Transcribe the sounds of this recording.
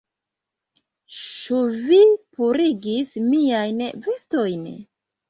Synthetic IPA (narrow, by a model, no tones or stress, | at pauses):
t͡ʃuvipuɾiɡismiajnvesto̞jn